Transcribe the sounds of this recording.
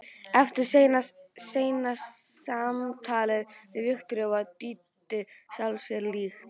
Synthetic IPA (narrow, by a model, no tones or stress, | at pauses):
ɛft̪ɪɾ̥sejnaseːjnasamt̪ʰaːlɪðvɪðvɪxt̪ɾœvat̪iːt̪ | ɪsalsɛɾliːx